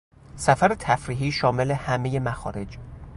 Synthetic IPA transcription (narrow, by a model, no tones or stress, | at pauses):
sæfæɾet̪ʰæfɾiːɦiːʃɒːme̞le̞hæmeje̞mæxɒːɾe̞d͡ʒ